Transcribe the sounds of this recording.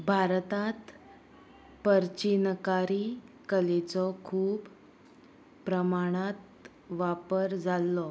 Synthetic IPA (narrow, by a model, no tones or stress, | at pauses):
bʱaɾt̪at̪ | pəɾt͡ɕinkaɾikəlet͡sɔkʰuːb | ɾəmaɽ̃at̪ | ʋapəɾd͡zʱalːɔ